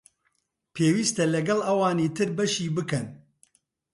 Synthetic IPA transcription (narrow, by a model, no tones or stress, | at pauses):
pʰeːwiːst̪ɐlɐɡɐlɐwɑːniːt̪ʰɨɾbɐʃiːbɨkɐn